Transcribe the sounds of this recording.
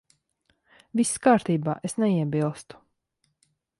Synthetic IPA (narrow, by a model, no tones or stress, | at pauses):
viskaːɾt̪iːbaːʔesnɛiɛbilˠst̪u̥